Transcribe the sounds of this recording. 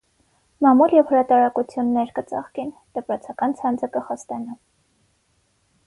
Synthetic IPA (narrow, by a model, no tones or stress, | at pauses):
mɑmuljɛvhəɾɑt̪ɑɾɑkut͡sʰjunːɛɾkət͡sɑ̰χkind̪̥əpɾɔt͡sʰɑkɑnt͡sʰɑnd͡zʰəkəχɑst̪ɑnɑ